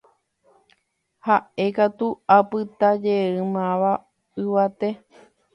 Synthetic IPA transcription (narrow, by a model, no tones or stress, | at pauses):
haʔe̞kat̪uapɨt̪ad͡ʒeɨmãʋa | ɨʋat̪e̞